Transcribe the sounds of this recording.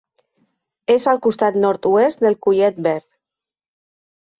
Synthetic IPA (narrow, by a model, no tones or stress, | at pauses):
ezalˠkust̪at̪nɔɾt̪uest̪d̪elˠkuʎɛt̪̚bɛɾt̪